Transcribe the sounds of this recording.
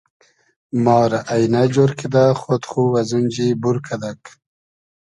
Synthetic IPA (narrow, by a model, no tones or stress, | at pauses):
mɑːɾaʔajnad͡ʒoɾkid̪aχot̪χuwazund͡ʒibuɾkʰad̪ak